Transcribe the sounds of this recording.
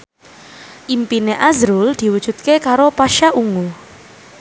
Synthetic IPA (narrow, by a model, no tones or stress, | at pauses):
ʔimpineʔazɾuld̪̥i̤wud̥ʒ̥ṳt̪̚kekaɾopaʃaʔuŋu